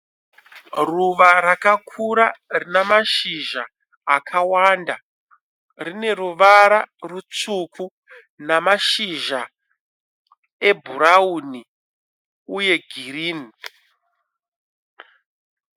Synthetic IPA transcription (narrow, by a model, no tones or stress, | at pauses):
ruʋaɾakakʰuɾarinamaʃiʒaː | kʰawanda | rine̞ɾuʋaɾarut͡sukʰu | namaʃiʒa | e̞bʱuɾauːni | uje̞ɡʱiriːni